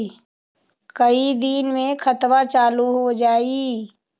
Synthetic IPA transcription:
kɐid̪iːnmẽkʰɐt̪wat͡ʃaːluɦod͡ʒaːi

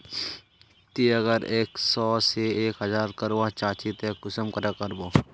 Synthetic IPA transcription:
t̪iɐɡəɾeːksɔːseeːkɦɐzaːɾkɐɾʋat͡ʃaːt͡ʃit̪eːkʊsəmkɐɾakəɾboː

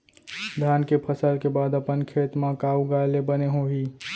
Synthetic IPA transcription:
d̪ʱaːnkepʰəsəlkebaːd̪əpənkʰeːt̪mãkaːuɡaːlebəneɦõɦiː

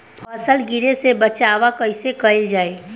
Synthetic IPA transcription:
pʰəsəlɡɪɾesebət͡ʃaːʋakəɪsekəɪld͡ʒaːeː

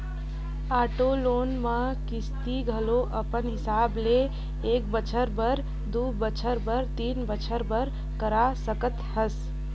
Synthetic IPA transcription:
aːʈoloːnmə̃ | kɪst̪iɡʱəloʔəpənɦɪsaːble | eːkbət͡ʃʰəɾbəɾ | d̪ubət͡ʃʰəɾbəɾt̪iːnbət͡ʃʰəɾbəɾ | kəɾasəkət̪həs

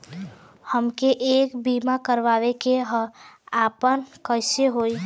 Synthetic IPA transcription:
həmkeʔeːkbimakəɾʋaːʋekeɦaːpənkəɪseɦoi

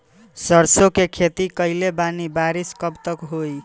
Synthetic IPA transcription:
səɾsokekʰet̪ikəɪlebanibaɾiskəbt̪əkɦoj

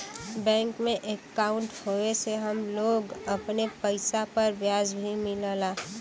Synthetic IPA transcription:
bɛ̃ːŋkmẽʔekːaːʊɳʈhoeseɦəmloːɡɐpnepəɪsapəɾbjaːzbʱimɪləlaː

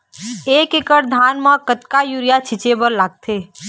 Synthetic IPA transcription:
eːkekəɾd̪ʱaːnmãkət̪kajuːɾijat͡ʃʰɪt͡ʃebəɾlaːɡ̚t̪ʰeː

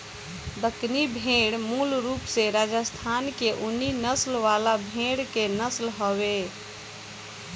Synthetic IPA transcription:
d̪əknibʱeɽmulɾupseɾad͡ʒəst̪ʰankeʔunːinəslʋalabʱeɽkenəslɦɔβe

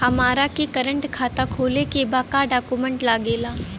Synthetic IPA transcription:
hɐmaːɾakekəɾə̃ɳʈkʰaːt̪akʰoːlekebaːkaɖaːkumə̃ɳʈlaːɡeːlaː

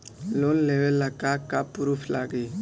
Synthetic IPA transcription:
lonlewelːakakapuɾupʰlaɡe

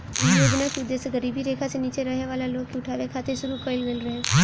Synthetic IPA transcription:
ɪlobɪnakʊd̪ːeːsɡəɾiːbʱiɾeːkʰaseniːt͡ʃeɾəɦeʋaːlaloːkeʊʈʰaːʋekʰaːt̪eʃʊɾukəɪlʋelɾəɦe

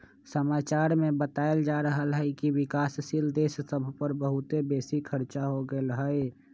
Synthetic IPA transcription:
səmaːt͡ʃaːɾmẽbət̪aːeld͡ʒaɾəɦəlɦɛkiwɪkaːsʃild̪eːssəbʱpəɾbəɦʊt̪ebeːsikʰəɾt͡ʃaɦoɡəelɦəe

